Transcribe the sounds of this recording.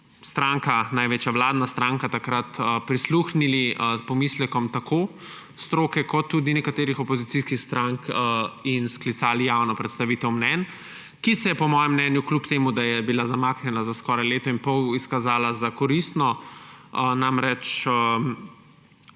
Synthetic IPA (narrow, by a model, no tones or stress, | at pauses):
st̪ɾaŋkanajʋeːt͡ʃjaʋlaːd̪nast̪ɾaːŋkat̪akɾat̪əpɾisluːxniliəpɔmislɛkɔmt̪akʰo | st̪ɾoːkɛkɔt̪ːuːd̪inɛkat̪eːɾixɔpɔzit̪siːskixst̪ɾaŋkinsklit̪saːlijawnɔpɾɛt̪st̪aʋiːt̪ɛwmnɛn | kisɛjɛpɔmɔːjɛmːnɛːnjuklupt̪eːmud̪ajɛbilazamaːknjɛnazaskɔːɾajleːt̪ɔinpɔwiskazaːlazakɔɾist̪nɔ | namɾɛt͡ʃə